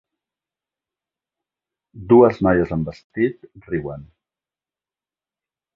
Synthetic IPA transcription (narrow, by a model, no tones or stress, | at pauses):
d̪uəznajəzəmbəst̪it̪riwən